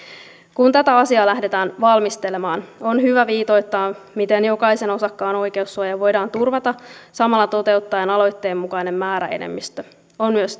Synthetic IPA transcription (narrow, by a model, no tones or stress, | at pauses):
kunt̪æt̪æɑsiɑːlæhde̞t̪æːnʋɑlmist̪e̞le̞mɑːno̞nhyʋæʋiːt̪o̞jt̪ːɑːmit̪e̞njo̞kɑjse̞no̞sɑkːɑːno̞jkeusːuɑjɑʋojdɑːnt̪urʋɑt̪ɑsɑmɑlːɑt̪o̞t̪e̞ut̪ːɑenɑlo̞jt̪ːe̞ːmːukɑjne̞mːæːɾæ̰e̞̰nḛmːist̪ø | onmyøs